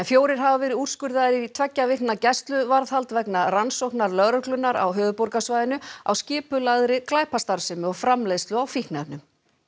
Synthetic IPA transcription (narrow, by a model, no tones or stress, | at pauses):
ɛnfjoːwɾɪɾ̥ɦavavɛːɾɪur̥skʏɾðaðɪɾit̪ʰvɛcːavɪhknacɛst̪lʏvaɾðhalt̪vɛknaransowhknaɾlœɣɾœhklʏnːaɾa̰wɦœːðʏpowɾkasvaːjðɪnʏa̰wscɪːpʏlaðɾɪklaːjpast̪aɾsɪmʏɔɣfɾamlejðst̪lʏawfihknanʏm